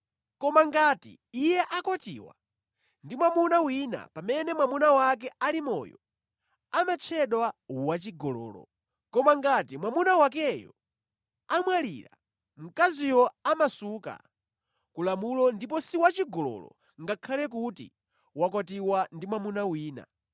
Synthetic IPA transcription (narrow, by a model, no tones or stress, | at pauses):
kɔmaŋɡatḭ | ijɛʔakɔtḭːwa̰ | ndimwamunawina̰pamɛnɛmwamunawak̬ɛalimɔ̰jɔ̰ | amat͡ʃʰɛɗwawat͡ʃiɡɔlɔ̰ːlɔ̰ | kɔmaŋɡatimwamunawakɛjɔ̰ | amwalḭːɾa̰ | m̩kazijɔamasuka̰ | kulamulɔndip̬ɔsiwat͡ʃiɡɔlɔ̰lɔ̰ | ŋɡakʰalɛk̬utḭ | wakɔtiwandimwamunawiːna̰